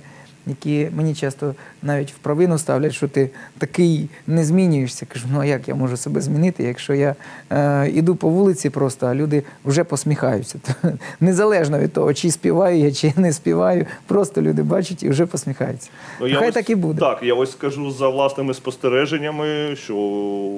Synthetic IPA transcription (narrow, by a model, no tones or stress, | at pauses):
jɐkʲimenʲit͡ʃɑst̪ɔnɑʋʲitʲwpɾɐʋɪnʊst̪ɑ̰wlʲɐtʲʃt͡ʃɔt̪ɪt̪ɐkɪjnɛzʲmʲinʲʊjeʂsʲɐkɐʐunuɐjakja̰mɔʒʊsɐbɛzʲmʲinɪt̪ɪjɐkʃt͡ʃɔja | ḭd̪upɔʋulˠɪt͡sʲipɾɔst̪ɔɐlʲud̪ɪʊʒɛpɔsʲmʲixɑjʊt͡sʲːɐt̪nezɐlˠɛʒnɔʋʲid̪̚t̪ɔ̰ɦɔt͡ʃɪisʲpʲiʋɑjʊjat͡ʃɪjanɛsʲpʲiʋɑjʊpɾɔst̪ɔlʲud̪ɪbɑt͡ʃʊtʲḭʊʒɛpɔsʲmʲixɑ̰jʊt͡sʲːɐ̥jajt̪ɑkibud̪ɛt̪ɑkjaɔsʲskɐʒuzɐʋlˠɑsnɪmɪspɔst̪eɾɛʒenʲːɐmɪʃt͡ʃɔ